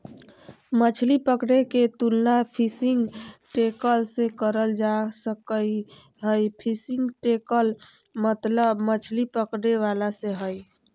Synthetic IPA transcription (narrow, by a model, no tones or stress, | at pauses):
mət͡ʃʰlipəkɽeket̪ulnapʰisiŋɡʈekəlsẽkəɾəld͡ʒasəkəj | ɦəjpʰisiŋɡʈekəlmət̪ləbmət͡ʃʰlipəkɽeʋalaseɦəj